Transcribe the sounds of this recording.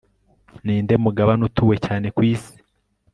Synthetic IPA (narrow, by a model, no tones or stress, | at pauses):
niːnde̞muɡaβanutuwe̞caːne̞kwiːsi̥